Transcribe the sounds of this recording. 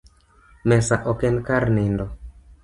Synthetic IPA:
mɛsaʔɔkɛnkaɾnendɔ

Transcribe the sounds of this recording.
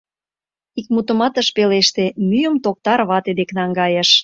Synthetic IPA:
ik̚mut̪əmɑt̪əʃpeleʃt̪emyjəmt̪ok̚t̪ɑɾβɑt̪ed̪eknɑŋɡɑjəʃ

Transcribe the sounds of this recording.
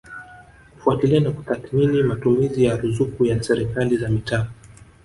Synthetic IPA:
ku̥fuatilianaku̥t̪aθminimatumizijaɾuzukujasɛɾikalizamita

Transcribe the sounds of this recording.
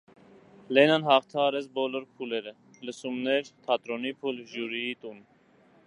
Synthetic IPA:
lɛnɑnhɑχt̪ʰɑɑɾɛt͡sʰbɔlɔɾpʰulɛɾə | ləsumnɛɾt̪ʰɑt̪ɾɔnipʰulʒuɾijit̪un

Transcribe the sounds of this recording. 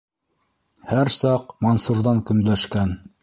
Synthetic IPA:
hæɾsɑqmonsuɾðɑŋkɵ̆nlæʃkæn

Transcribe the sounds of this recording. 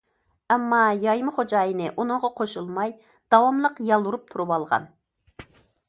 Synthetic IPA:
ɛmːɑjɑjmχod͡ʒɑːjɨnɨʔunɨŋʁɑqʰoʃulˠmɑj | d̪̥ɑwɑmlˠəqjɑlˠːuɾup̚t̪ʰuɾuwɑlˠʁɑ̰n

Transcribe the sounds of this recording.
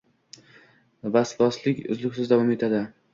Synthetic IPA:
basbɒslɪkʲʊ̰zlɪkʲsɪzd̪avɒme̞t̪ʰad̪ɪ

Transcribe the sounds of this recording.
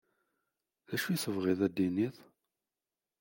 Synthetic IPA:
ðæʃujθəvʁiðæd̪ːiniθ

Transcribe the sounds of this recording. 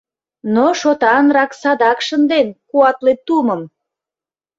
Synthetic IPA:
noʃot̪ɑnrɑksɑd̪ɑkʃənd̪enkuɑt̪let̪uməm

